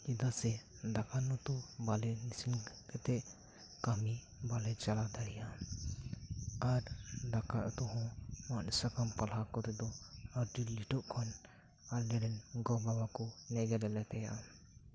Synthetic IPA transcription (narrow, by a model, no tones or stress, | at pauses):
id̪asɛ | d̪akanɔt̪ubalɛnisinkɛt̪ɛʔ | kami | balɛt͡ʃalad̪aɽɛja | aɾd̪akaʔt̪ɔɦɔ̃mansakamkalakɔɾɛd̪ɔaɾʈiliʈɔʔkʰɔn | alːɛɖɛnɡɔbabakɔnɛɡɛɾɛlɛt̪ɛjaʔa